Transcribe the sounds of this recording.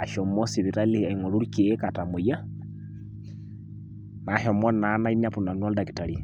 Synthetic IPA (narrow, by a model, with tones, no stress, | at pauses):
a˨ʃɔ˨mɔ˦si˨βi˨ɾa˦lia˨iŋo˨ɾu˦ɾike˨˦kata˨mo˨ja˦ | na˨ʃɔ˨mɔ˦na˨˦na˦i˦na˦pu˨na˨nwɔ˦lda˨kitaɾi